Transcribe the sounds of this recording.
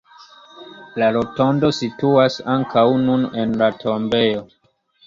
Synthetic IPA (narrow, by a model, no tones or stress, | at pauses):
laɾo̞to̞ndo̞situasaŋkawnunenlatʰo̞mbe̞jo̞